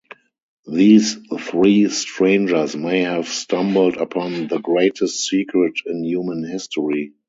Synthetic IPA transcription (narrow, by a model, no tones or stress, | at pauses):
ðiːsθɹiːstɹẽɪ̃nd͡ʒə˞smeɪhævstʰãmbəl̩dəpʰɔ̃nðəɡɹeɪtʰəstsiːkʰɹɪtʰɪ̃njuːmə̃nhɪstɔɹi